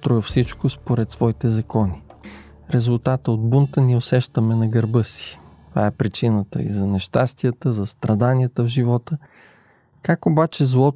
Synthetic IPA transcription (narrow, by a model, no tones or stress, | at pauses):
t̪ɾɔjəfsit͡ʃkospoɾɛt̪svɔit̪ɛzɐkɔni | ɾɛzʊlˠt̪at̪əod̪̚bunt̪əniosɛʃt̪əmɛnɐɡɐɾbɤsi̥t̪ova̰ɛpɾit͡ʃinət̪ə̰ḭzɐnɛʃt̪ast̪ijət̪əzɐst̪ɾɐd̪aniət̪əvʒivɔt̪ə | kakobat͡ʃɛzlˠɔt̪